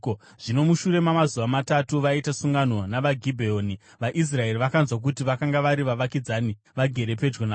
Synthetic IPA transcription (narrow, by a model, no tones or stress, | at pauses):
ʐ̥ino̞muʃuɾe̞mamazuʋamatatuʋaitasuŋɡano̞naʋaɡʱibʱeoːni | ʋaʔis̬rae̞ɾiʋakanzwak̬utiʋakaŋɡaʋaɾiʋaʋakid͡zani | ʋaɡʱe̞ɾe̞pe̞d͡ʒɡona